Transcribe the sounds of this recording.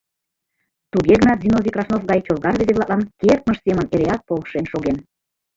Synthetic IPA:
t̪uɣeɣənɑt̪zʲinovʲikrɑfnofɣɑjt͡ɕolɣɑrβezeβlɑt̪lɑnkert̪̚məʃseməneɾeɑt̪̚polʃenʃoɣen

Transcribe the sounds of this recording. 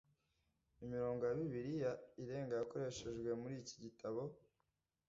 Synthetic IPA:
imiɾo̞ːŋɡo̞jaβiβiɾijaiɾe̞ːŋɡajako̞ɾe̞ʃe̞ʒɡwe̞muɾiːci̥ɟitʰaβo̞

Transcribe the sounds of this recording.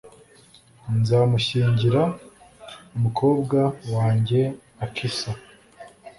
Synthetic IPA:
nzaːmuɕiːɲɟiɾa | umukʰo̞ːbɡawaːɲɟe̞ | akʰisa

